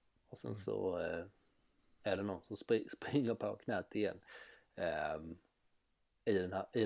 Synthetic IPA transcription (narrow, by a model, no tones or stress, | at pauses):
ɔsɛ̰nsɔ̰ | æɖɛnɔnsɔmspɪspɾɪŋːəɾpʰakʰnɛːt̪ɪjɛ̰nː | ɪd̪ɛnhæɪ